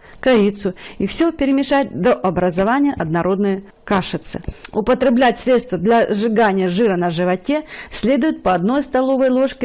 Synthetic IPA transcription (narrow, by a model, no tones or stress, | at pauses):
kɐɾʲit̪sʊifsʲɵpʲɪɾʲɪmʲɪʂat̚ʲd̪oʔɐbɾəzɐvanʲɪjəʔɐd̪nɐɾo̞d̪nɨjə | kaʂɨt̪sɨ̰ʊpət̪ɾʲɪblʲætʲsɾʲet̪st̪vəd̪lʲɐʐɨɡanʲɪjəʐɨɾənɐʐɨvɐtʲe̞sʲlʲe̞d̪ʊjɪt̪̚pəɐd̪no̞jst̪ɐlˠo̞vəjlˠo̞ʂkʲɪ